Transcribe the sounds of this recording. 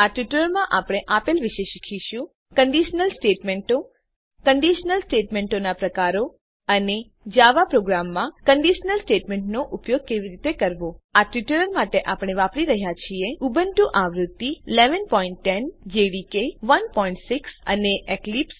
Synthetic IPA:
aʈiʈələɾmãʔapɽ̃eʔapelʋiʃeʃikʰiʃũ | kəɳɖiʃnəlsʈeʈmeɳʈo | kəɳɖiʃnəlsʈeʈmẽɳʈonapɾəkaɾo | əne | d͡ʒaʋapɾoɡɾamːãkəɳɖiʃnəlsʈeʈmeɳʈnoʔupjoɡ̚keʋiɾit̪ekəɾʋoaʈjiʈəɾəɾmaʈeʔapɽ̃eʋapɾiɾəɦjat͡ʃʰieubənʈ̪uʔaʋɾut̪ːileʋənpɔiɳʈːɛnd͡ʒeɖikeʋənpɔiɳʈsiksə̰neʔeklips

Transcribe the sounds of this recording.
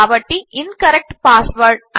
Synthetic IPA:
ʋɐʈːiʔɪnkɐɾɛk̚ʈpaːsʋɐɾɖʔɐ

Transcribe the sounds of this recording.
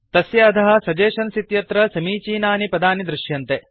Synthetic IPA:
t̪ɐsjɐːt̪ɐɦɐ̆sɐd͡ʒeːʃɐnsit̪jɐt̪ɾɐsɐmiːt͡ʃiːnaːnipɐd̪aːnid̪ɾɪʃjɐnt̪e

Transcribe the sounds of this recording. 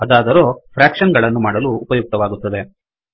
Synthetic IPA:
ɐd̪aːd̪ɐɾo̞ːpʰɾaːkʂɐnɡɐɭɐnːumaːɽɐluːpɐjuk̚t̪ɐʋaːɡut̪ːɐd̪e̞

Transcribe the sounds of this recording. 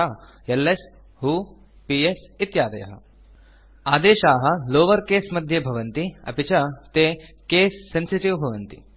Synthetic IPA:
a | jɐlːes | ɦuː | piesit̪jaːd̪ḛj̰ɦɐ̰ | aːd̪eːɕaːɦɐloːʋəɾkesmɐd̪ʱjebʱɐʋənt̪iɐ̰pit͡ɕat̪ekeːsːensiʈiʋbʱɐʋənt̪ḭ

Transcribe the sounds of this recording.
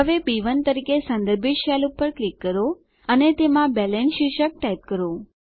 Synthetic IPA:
ɦəʋebiʋənt̪əɾikesə̃nd̪əɾbʱiʈ̪ʃɛlupəɾklikːəɾo | ənet̪emãbɛlenʃiʃək̚ʈajt̪̚kəɾo

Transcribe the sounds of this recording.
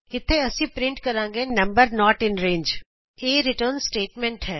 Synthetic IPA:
ɪt̪ʰːeɐsĩpɾɪ̃ɳʈkɐɾãːŋɡenɐ̃mbəɾnɔːʈɪ̃nɾẽːɲd͡ʒ | eːɾɪʈəɾnsʈeːʈmɛ̃ɳʈɦɛː

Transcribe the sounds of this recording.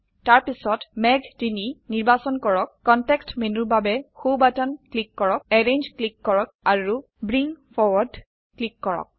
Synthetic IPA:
taɹpisɔtmɛɡtininiɹbasɔnkɔɹɔkːɔntɛkstmenubabɛxobatɔnklikːɔɹɔk̚ɛɹend͡ʒklikːɔɹɔk̚aɹu | bɹiŋfʰɔɹwɔɹd | klikːɔɹɔ̰k̚

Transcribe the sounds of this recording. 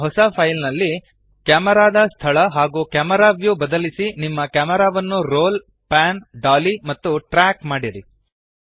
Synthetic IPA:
ɦɔsɐpʰɐjlnɐlːi | kaːmɐɾaːd̪ɐst̪ʰɐɭɐɦaːɡuːkaːmɐɾaːʋjubɐd̪ɐlisinimːɐkaːmɐɾaːʋɐnːuɾoːl | paːnɖaːlimɐt̪ːuʈɾaːkmaːɽiɾi

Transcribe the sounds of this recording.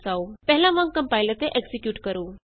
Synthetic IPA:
saupɛɦlãmãŋkə̃mpaːilət̪eʔeksikjuːʈkəɾuː

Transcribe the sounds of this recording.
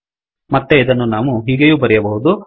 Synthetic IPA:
mɐt̪ːe̞id̪ɐnːunaːʋuɦiːɡejuːbɐɾɛjɐbɐɦud̪u

